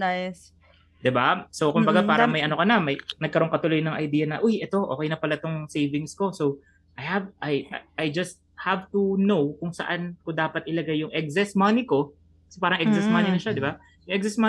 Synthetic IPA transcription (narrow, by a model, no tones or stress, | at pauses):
ajs | d̪ɪbaso̞wkʊmbɐɡapaːɾɐmɐjʔɐnokɐnɐmɐjnɐɡ̚kɐɾo̞ŋkɐt̪ʊlo̞jnɐŋʔɐjd̪iːjɐnɐʔojʔɛt̪o̞ʔo̞̰ːkɛjnɐpɐlat̪o̞ŋsejvɪŋsko̞so̞w | ʔajhavʔɐjʔajd͡ʒɐst̪̚havt̪unowkʊŋsɐ̰ʔankʊd̪aːpɐt̪̚ʔɪlɐɡajːʊŋʔɛk̚sɛsmɐniko̞ | kɐ̥sɛpaːɾɐŋɛksɛsmɐninɐʃad̪ɪba | jʊŋʔɛk̚sɛsma